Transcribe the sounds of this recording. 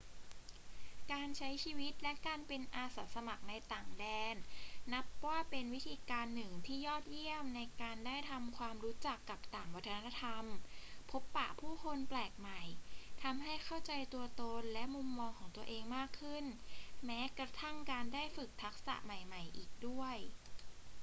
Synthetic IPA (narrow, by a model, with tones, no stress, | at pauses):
kaː˧nt͡ɕʰa˦˥jt͡ɕʰiː˧wi˦˥t̪̚lɛ˦˥kaː˧npe˧nʔaː˧saː˨˩˦sa˧ma˨˩k̚na˧jt̪aː˨˩ŋdɛː˧nːa˦˥p̚waː˥˩pe˧nwi˦˥t̪ʰiː˧kaː˧nːɯ˨˩ŋt̪ʰiː˥˩jɔː˥˩t̪̚ji˥˩əmna˧jkaː˧ndaː˥˩jt̪ʰa˧mkʰwaː˧mɾuː˦˥t͡ɕa˨˩kːa˨˩p̚t̪aː˨˩ŋwa˦˥t̪ʰːna˦˥a˥t̪ʰa˧mpʰo˦˥pːa̰˨˩ʔpʰuː˥˩kʰo˧nplɛː˨˩k̚ma˨˩jt̪ʰa˧mɦa˥˩jkʰa˥˩wt͡ɕa˧jt̪u˧ɐt̪o˧nlɛ˦˥ʔmu˧mːɔː˧ŋkʰɔː˩˦ŋt̪u˧ɐʔeː˧ŋmaː˥˩kʰːɯ˥˩nmɛː˦˥kɾa˧t̪ʰa˥˩ŋkaː˧ndaː˥˩jfɯ˨˩k̚t̪ʰa˦˥k̚sa̰˨˩ʔma˨˩jma˨˩jʔiː˨˩k̚du˥˩əj